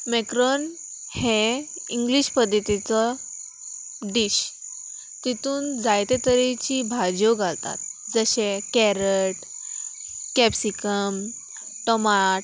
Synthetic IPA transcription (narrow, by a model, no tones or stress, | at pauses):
mɛkɾɔn | he | iŋɡliɕpəd̪ʱjət̪it͡sɔ | ɖiɕ | t̪it̪uːnd͡zajt̪et̪əɾit͡ɕibʱad͡ʑjoɡʱalt̪a̰t̪̚d͡zəɕekɛɾəʈ | kɛpsikəm | ʈɔmaʈ